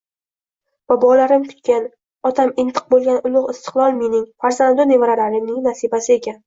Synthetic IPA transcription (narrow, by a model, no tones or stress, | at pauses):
b̥abɒlaɾɪmkʰʊ̥t̪̚kʲan | ɒt̪ʰamɪnt̪ʰɨ̥q̚bolˠɡʲanʔʊlˠʊʁɪst̪ʰɪ̥qlˠɒlˠmenɪŋfaɾzand̪ʊne̞vaɾaɾaɾɪmnɪŋnasibasɪe̞kʲan